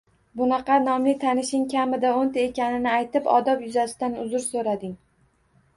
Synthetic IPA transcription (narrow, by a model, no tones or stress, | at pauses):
bʊnɑqɑnɒmlɪt̪ʰanɪʃɪŋkʲʰamɪd̪aont̪ae̞kʲanɪnɪajt̪ɪpɒ̰d̪ɒpjʊzasɪ̥d̪anʊzʊɾsoɾad̪ɪŋ